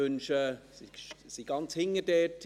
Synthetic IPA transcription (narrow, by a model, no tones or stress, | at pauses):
ʏnʃəsiʃsiɡ̥ɑnt͡shɪŋədɛːtʰ